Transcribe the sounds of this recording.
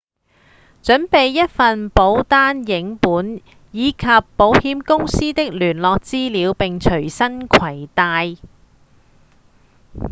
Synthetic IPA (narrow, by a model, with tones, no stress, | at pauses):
t͡ʃɵ˨˥npe˨jːɐ˥t̚fɐ˨npo˨˥wt̪aː˥njɪ˨˥ŋpuː˨˥n | jiː˨˧kʰɐ˨pːo˨˥whiː˨˥mkʊ˥ŋsiː˥t̪ɪ˥k̚lyː˨˩nlɔː˨k̚t͡siː˥liː˨˧wpɪ˨ŋt͡ʃʰɵ˨˩ɥsɐ˥nkʷʰɐ˨˩jt̪aː˧j